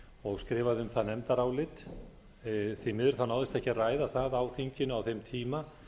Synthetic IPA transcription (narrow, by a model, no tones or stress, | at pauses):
ɔɣskɾɪːvaðʏmθaðnɛmt̪aɾaːwlɪt̪ | θimɪðʏɾ̥θanaːwðɪst̪ɛhcɪaraːjðaθaðaːwθiɲcɪnʏawθejmt̪ʰiːma